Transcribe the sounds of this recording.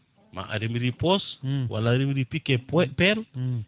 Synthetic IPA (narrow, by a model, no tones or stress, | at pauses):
ma̰ʔa̰ɾimiɾiposwa̰laɾimiɾipikeppɛl